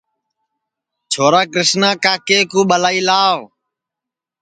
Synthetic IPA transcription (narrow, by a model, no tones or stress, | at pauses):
t͡ʃʰoːɾaːkɾɪsnãːkaːkeːkũːɓəlaːiːlaːʋ